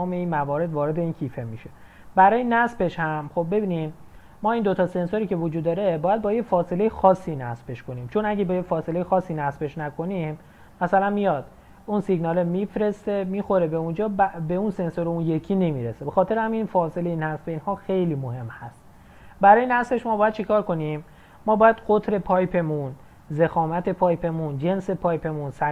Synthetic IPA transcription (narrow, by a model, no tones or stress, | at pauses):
me̞iːnmævɒːɾed̪vɒːɾe̞d̪e̞iːncʰiːfemiʃe | bæɾɒːjenæsbe̞ʃhæmχobːe̞biːnimː | ɒːiːnd̪o̞t̪ʰɒːse̞nsoɾiːcʰe̞vod͡ʒud̪ːɒːɾebɒːjæd̪bɒːjefɒːse̞le̞jexɒːsːiːnæsbe̞ʃkʰo̞niːmt͡ʃʰo̞næɡʲæbɒjefɒːse̞le̞jexɒːsːiːnæsbe̞ʃnækʰo̞nim | mæsælænmijɒːd̪̥ | unsiɡnɒːlemifɾe̞st̪e̞miːxo̞ɾebe̞und͡ʒɒːbbe̞unse̞nsoɾeunje̞kʰiːne̞miːɾesebexɒːt̪ʰe̞ɾehæminfɒːse̞lejinæsbeiːnhɒːxe̞jliːmohe̞mhæst̪ | bæɾɒːjenæsbe̞ʃmɒːbɒːjæd̪̚t͡ʃʰekʰɒːɾko̞nimː | ɒːbɒːjæd̪̥ɢot̪ʰɾe̞pʰɒːjpʰe̞mun | zexɒːmæt̪ʰe̞pʰɒːjpʰe̞mund͡ʒe̞nse̞pʰɒːjpʰe̞munsæ